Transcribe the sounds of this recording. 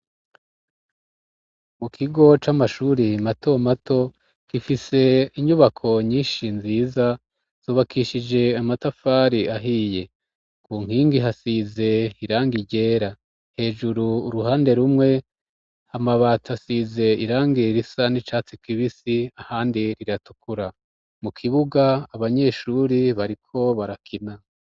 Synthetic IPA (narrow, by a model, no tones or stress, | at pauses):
mukʰiɡo̞t͡ʃamaʃuːɾimatomatʰo̞ | kifise̞iɲuβakʰo̞ɲiːnʃinziːza | z̥uːβakʰiʃid͡ʒe̞amatafaːɾiaɦiːje̞ | kʰuːŋ̥hiːŋɡiɦasize̞iɾaːŋɡiɟe̞ːɾa | he̞ːd͡ʒuɾuːɾuɦaːnde̞ɾumŋe̞ | amaβatʰasize̞iɾaːŋɡiɾisanit͡ʃaːt͡sikiβisiahaːndiɾiɾatu̥kuɾa | mukʰiβuɡaːβaɲe̞ːʃuːɾiβaɾikʰo̞βaɾakʰina